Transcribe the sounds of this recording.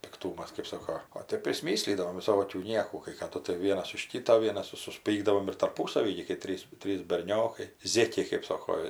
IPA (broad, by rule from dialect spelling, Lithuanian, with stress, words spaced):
pʲɪkˈtuːmɐs kɜp ˈsoːkoː oː ˈtʲɛp pʲrʲɪsʲˈmʲiːsʲlʲiːdɐʋoːm ʋʲɪˈsoːkʲuː ˈnʲiɛkuː kɐɪ kɐˈdʊ tɐɪ ˈʋʲiɛnɐs ʊʃ ˈkʲiːtoː ˈʋʲiɛnɐs ɪr sʊsʲˈpʲiːɡdɐʋoːm ɪr tɐrˈpuːsɐʋʲiː ɡʲɪ kɐɪ ˈtʲrʲiːs ˈtʲrʲiːs bʲɛrʲˈnʲoːkɐɪ ˈzʲeːkʲɛɪ kɜp ˈsoːkoː